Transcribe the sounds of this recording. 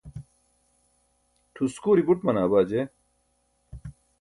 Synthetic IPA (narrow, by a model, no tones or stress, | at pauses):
ʈʰuskuːɾiɡuʈmɐnaːbaːd͡ʑe